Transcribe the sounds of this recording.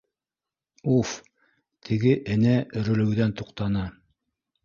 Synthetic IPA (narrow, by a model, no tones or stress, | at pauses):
uf | t̪ʰɘ̆ɡɘʔɘ̆næʔɵ̆ɾɘ̆lɘ̆wðænt̪uqt̪ɑnɑ